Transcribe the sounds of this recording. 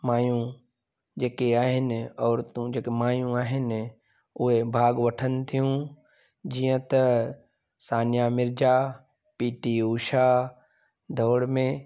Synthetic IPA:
maːjũ | d͡ʒeːkeaːɦɪnɪɔːɾt̪ũd͡ʒeːkemaːjũaːɦɪnɪ | ʊɦebʱaːɡʋɐʈʰənt̪ʰijũ | d͡ʒijə̃t̪ɐ | saːnjamɪɾd͡ʒaː | piːʈiuːʃa | d̪ʱɔːɽmẽ

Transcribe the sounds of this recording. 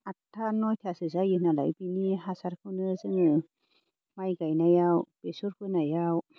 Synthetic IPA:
atʰːanɔjtʰasɯzajɯnala̰jbiniɦasaɾkʰɯwnɯzɯŋɯ | majɡajnajawb̥esuɾkʰɯnajaw

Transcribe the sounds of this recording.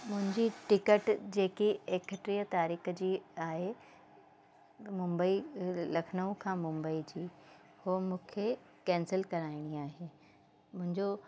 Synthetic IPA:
mʊ̃ɦɪ̃ɲd͡ʑiʈɪkəʈd͡ʑeːkieːkəʈɾijət̪aːɾiːxəd͡ʑiːaːɦe | mʊ̃mbəilɐkʰnəũkʰãmʊ̃mbəid͡ʑiː | hoːmũːkʰe | kɛ̃ːnsɪlkɐɾaːɪɽ̃iaːɦe | mʊ̃ɦɪ̃ɲd͡ʑo

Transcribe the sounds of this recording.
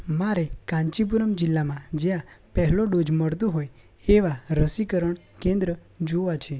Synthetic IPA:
maɾekãɲt͡ʃip̬uɾəmd͡ʒɪlːamãd͡ʒjãpɛɦloɖod͡ʒməɽt̪ũɦoj | eʋaɾəsikəɾəɳ | kẽnd̪ɾə | d͡ʒoʋat͡ʃʰe

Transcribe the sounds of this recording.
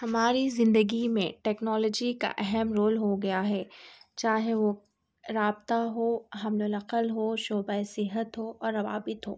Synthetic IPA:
hɐmaːɾizɪ̃nd̪əɡimḛ̃ʈɛːknɔːlɔːd͡ʒika̰ʔɛɦɛmɾoːlɦoɡɐjaɦɛːt͡ʃaːɦeʋo | ɾaːbt̪aɦoɦɐmlʊlɐqəlɦoːʃoːbaesɪɦət̪ɦoʔɔːɾːɐʋa̰ːbɪt̪ɦo̰ː

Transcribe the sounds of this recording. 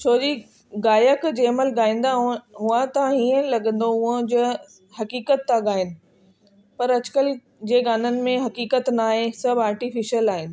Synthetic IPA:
t͡ɕʰoːd͡ʑiː | ɡaːjəkd͡ʑeːɐməlɠaːĩːn̆d̪aːɦũɦʊãt̪ãiːə̃lɐɠə̃nd̪oʊə̃d͡ʑo | hɐkiːkət̪ːaɠaːɦɪnɪ̆ | pɐɾɐd͡ʑkəl | d͡ʑeːɡaːn̤ənɪ̆mẽɦɐkiːkət̪naːɦesɐbʱaːɾʈifɪʃəlaːɦɪnɪ̆

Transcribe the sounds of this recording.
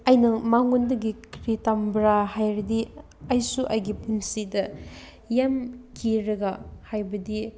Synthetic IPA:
ɐjnɐmaŋundɐɡikɾitambɾaɦajɾɐdi | ɐjsuʔɐjɡipunsidɐ | jamkʰiɾɐɡahajbɐdi

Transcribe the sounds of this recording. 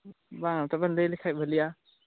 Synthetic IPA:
baŋatabanlelikʰajbalia

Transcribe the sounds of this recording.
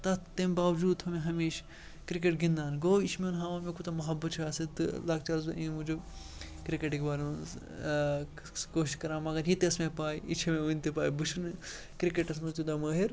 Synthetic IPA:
t̪ɐt̪embaːʋd͡ʒuːd̪̚t̪ʰɐmẽɦɐmiːʃ | kɾik̬eʈɡĩnd̪aːnɡoːit͡ʃʰmeunɦãːʋaːmekut̪ɐmɐɦɐbɐt̪t͡ʃʰaːsit̪ɨ̰lak̚t͡ʃaːɾzɐʔĩmũd͡ʒo | kɾikeʈiɡbaːɾũ | koːʃiʃkɐɾãːmɐɡɐɾɦit̪ɐsmẽpaːiit͡ʃʰɐmẽunʲt̪ipaːibut͡ʃʰun | kɾikeʈɐsmɐt̪ud̪amɐːɦiɾ

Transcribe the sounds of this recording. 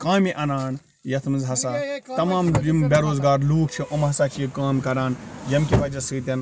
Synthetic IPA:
kãːmiʔɐnaːn | jɐt̪ʰmɨnzɦɐsaːt̪ɐmãːmimbeɾoːzɡaːɾluːkt͡ʃʰiʔomɦɐsaːt͡ʃʰijikaːmkɐɾaːnjɐmkʲiʋɐd͡ʒɐsɨːt̪ʲɐn

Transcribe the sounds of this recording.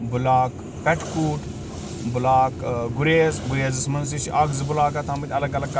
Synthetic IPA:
bʊlaːk | pɛʈʰkuːʈ | bʊlaːkɡʊɾeːzɡuɾeːzɐsmɐns̬iʃiʔɐɡzbʊlaːkɐt̪ʰaːmɐt̪ʲɐlɐɡɐlɐkː

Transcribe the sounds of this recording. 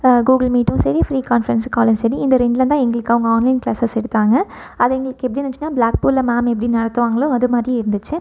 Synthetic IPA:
ɡuːɡɐlmiːʈːʊ̃sɐɾijɐfɾiːkaːnfɐɾɐnskaːlɐ̃sɐɾiɪnd̪ɐɾɛɳɖlɐnt̪ãːɛŋɡɐɭɯkːɐʋɐŋɡɐaːnlɐɪnkɭaːsɐsɛɽɯt̪ːaːŋɡɐ | ɐðɐɛŋɡɐɭɯkːɛpːɐɽinɐt͡ʃːɯnːaːbɭaːk̚puːlːɐmaːmɛpːɐɽinɐɽɐt̪ːɯʋaːŋɡɐɭʊ̃ɐðɯmaːd̪ɾiɪɾɯnd̪ɯt͡ʃːɯ

